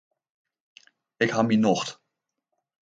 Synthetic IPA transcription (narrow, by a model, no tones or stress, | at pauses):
ɪkɦɑminɔχt